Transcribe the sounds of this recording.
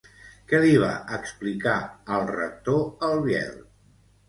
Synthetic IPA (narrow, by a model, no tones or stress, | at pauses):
kɛliβ̞a̰ʔəksplikaəlˠrə̰k̚t̪oəlˠβjɛ̰l